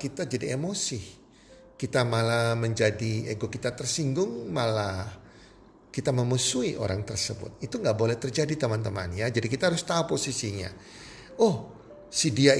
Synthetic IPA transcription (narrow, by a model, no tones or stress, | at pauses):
kit̪ad͡ʒadiemosi | kit̪amalaməɲd͡ʒadieɡokit̪at̪ərsiŋɡʊŋmala | kit̪aməmusuiʔo̰ɾaŋt̪ərsəbʊ̰t̪̚it̪uŋɡaʔbolɛht̪ərd͡ʒadit̪əmant̪əma̰njad͡ʒadikit̪aɦaɾʊst̪auposisiɲa̰ | ɔh | sidia